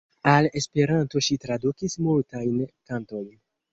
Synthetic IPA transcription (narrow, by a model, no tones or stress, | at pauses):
ale̞spe̞ɾanto̞ʃitɾadukismultajnkanto̞jn